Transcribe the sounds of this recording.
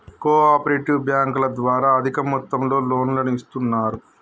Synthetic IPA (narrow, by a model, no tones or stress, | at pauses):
koːaːpɐɾeːʈiʋbjaːŋkulɐd̪ʋaːɾaːɐd̪ʱikɐmɔt̪ːɐmlo̞ːlo̞ːnlɐnist̪unːaːɾu